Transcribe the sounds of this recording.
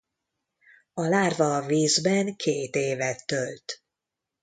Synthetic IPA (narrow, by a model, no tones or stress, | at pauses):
ɒlaːrvɒviːzbɛŋkʰeːt̪eːvɛt̪ːølt̪